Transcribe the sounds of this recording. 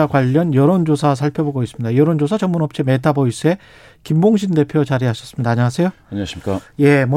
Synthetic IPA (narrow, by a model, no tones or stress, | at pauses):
akwaʎːʌnjʌɾond͡ʑosʰas̬ʰaɭpʰjoboɡois͈ɯmɲid̥ajʌɾond͡ʑosʰat͡ɕʌŋmunʌp̚t͡ɕ͈imetʰabois͈ɯe̞ | kimboŋɕ̬ʰinde̞pʰjot͡ɕaɾiɦaɕʰʌs͈ɯmɲidaːɲaŋasʰe̞jo | ɲaɕmik͈aje̞m